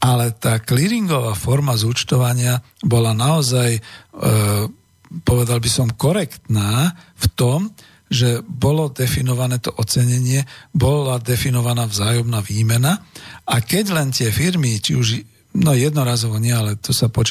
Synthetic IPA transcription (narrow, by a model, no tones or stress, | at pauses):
alɛt̪aːkliɾiŋɡɔʋaːfɔɾmazut͡ʃt̪ɔʋaɲɪabɔlanaɔzaj | pɔʋɛd̪albisɔmkɔɾɛkt̪naːft̪ɔm | ʒɛbɔlɔd̪ɛfinɔʋanɛːt̪ɔʔɔt͡sɛɲɛɲɪɛbɔlad̪ɛfinɔʋanaːvzaːjɔmnaːʋiːmɛnaakɛɟlɛnt̪ɪɛfiɾmit͡ʃiuʒ | nɔjɛd̪nɔɾaːzɔʋɔɲɪɛalɛt̪ɔsapɔt͡ʃ